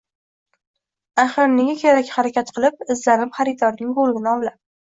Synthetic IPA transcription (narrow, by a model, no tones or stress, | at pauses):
aχɨɾneɡʲakʲʰeɾakʲχaɾakʲat̪qʰɨlˠɪp̚ɪzlaɾɪmχaɾɪd̪ɒɾnɪŋbolˠɡʲɪnɪɒwlap̚